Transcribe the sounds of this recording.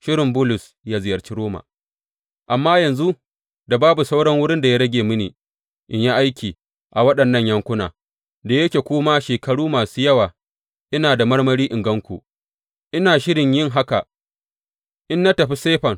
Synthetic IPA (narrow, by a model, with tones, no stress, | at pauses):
ʃɪ˦ɽɪ˨mbʊ˦lʊ˨s | jaː˦zɪ˨jɐ˨rt͡ʃi˦ɾoː˦ma̰ː˨ | ʔa˨mːaː˦jɐ˨nzu˦ | da˨baː˦bu˨sa˦wɽɐ˦ŋwʊ˦ɽɪ˦nda˨ja˦ɽɐ˦ɡʲeː˨mʊ˦niː˨ | ʔɪ˨ɲja˦ʔa˦jkʲiː˨ | ʔa˨wɐ˦ɗɐ˨nːɐ˦˨ɲjɐ˦ŋkʷʊ˦na̰ː˨ | da˨jɐ˦kʲeː˨kʷoː˦ma˦ʃeː˨kɐ˨ɽuː˦maː˨suː˦jɐ˦waː˨ | ʔɪ˦naː˨da˨mɐ˦ɽmɐ˦ɽiː˦ʔɪ˨ŋɡɐ˦ŋkʷṵ˨ | ʔɪ˦naː˨ʃɪ˦ɽɪ˨ɲjɪ˦ŋɦa˦ka˨ | ʔɪ˦nːa˦tɐ˨ɸi˦seː˦ɸɐ˨ŋ